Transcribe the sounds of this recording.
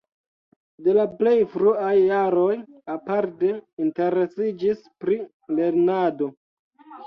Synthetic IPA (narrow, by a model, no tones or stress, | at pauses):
de̞laple̞jfɾuajːaɾo̞japaɾte̞inte̞ɾe̞sid͡ʒispɾi | le̞ɾnado̞